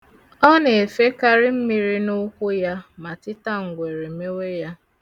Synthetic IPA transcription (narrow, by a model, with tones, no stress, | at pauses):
ɔ˦ne˨e˨fe˦ka˦ɾɪ˦m̩˦mi˦ɾi˦nʊ˦kʷʊ˦ja˦ma˨tɪ˦ta˦ŋ̩˨ɡʷe˨ɾe˨me˦we˦ja˦